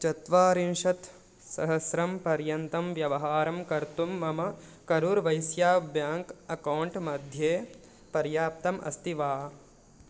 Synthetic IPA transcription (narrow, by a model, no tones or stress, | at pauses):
t͡ʃɐt̪ʋaːɾinʃɐt̪ | sɐɦɐsɾɐmpɐɾjɐnt̪ɐmʋjɐʋɐɦaːɾɐmkɐɾt̪umːɐmɐkɐɾuːɾʋɐjsjaːbjaːŋkɐkɐwɳʈmɐd̪ʱjeː | pɐɾjaːp̚t̪ɐmʔɐ̰st̪iʋaː